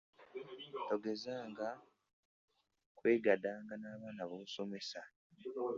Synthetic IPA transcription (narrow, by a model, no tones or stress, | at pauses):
to̞ɡe̞zaːŋɡa | kwe̞ːɡadaːŋɡanaːβaːnaβoːso̞me̞sa